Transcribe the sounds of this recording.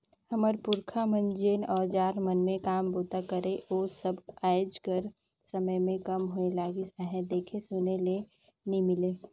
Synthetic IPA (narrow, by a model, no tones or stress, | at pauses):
həməɾpʊɾkʰamənd͡ʒeːnɔːɾd͡ʒaːɾmənmẽkaːmboːt̪akəɾeʔoːsəbaːjd͡ʒkəɾ | səməjmẽkəmɦoelaːɡisaːɦɛd̪eːkʰesʊnele | nimɪleː